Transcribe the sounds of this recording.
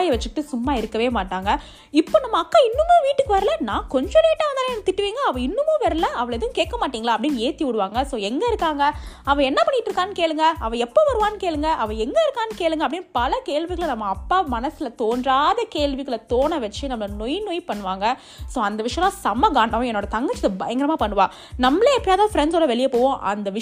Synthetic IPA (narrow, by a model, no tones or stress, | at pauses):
jɐʋɐt͡ʃːɯkʈːɯsʊmːaːɪɾɯkːɐʋeːmaːʈːaːŋɡɐ | ɪpːoːnɐmːɐɐkːaːɪnːɯmõːʋiːʈːɯkːɯʋɐɾɐlɐnãːkɔɲd͡ʒɔ̃neːʈːaːʋɐnd̪ant̪ɪʈːɯʋiːŋɡɐɐʋɐ̃ɪnːɯmõːʋɐɾɐlɐɐʋɐɭɛðɐʋʊ̃keːʈ̚kːɐmaːʈːiːŋɡɐɭaːpɐɽɪnːeːt̪iʊɽɯʋaːŋɡɐsoːɛŋɡɐɪɾɯkːaːŋɡɐɐʋɐ̃ɛnːɐpɐɳːɪʈːɾɯkːaːnɯkeːɭɯŋɡɐɐʋɐ̃ɛpːoːʋɐɾɯʋaːnɯkeːɭɯŋɡɐʔɐʋɐ̃ɛŋɡɐɪɾɯkːaːnɯkeːɭɯŋɡɐpːɐɽɪnːpɐlɐkeːɭʋɪɣɐɭnɐmːɐːpːaːmɐnɐsɪlɐt̪oːndraːðɐkeːɭʋɪɣɐɭɐt̪oːnɐʋɐt͡ʃːɯnɐmːɐlɐnɔjnɔjpɐɳːɯʋaːŋɡɐ | soːɐnd̪ɐʋɪʂɐjɐ̃lãːsɐmːɐɡaːɳɖɐʋõɛnːoːɽɐt̪ɐŋɡɐt͡ʃːɪðɐbɐjɐŋɡɪɾɐmaːpɐɳːɯʋaː | nɐmːɐlɐɛpːɐɽjaːt̪ãːfɾɛɳɖsoːlɐʋɛɭɪjɐpoːʋõːʔɐ̰nd̪ɐʋɪ